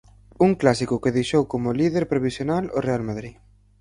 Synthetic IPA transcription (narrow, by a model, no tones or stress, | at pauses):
uŋklasikʊkeðejʃowkomʊliðeɾpɾoβisjonalorealmaðɾi